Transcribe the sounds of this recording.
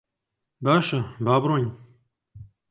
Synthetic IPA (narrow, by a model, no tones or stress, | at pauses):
baːʃɐbaːbɾonʲ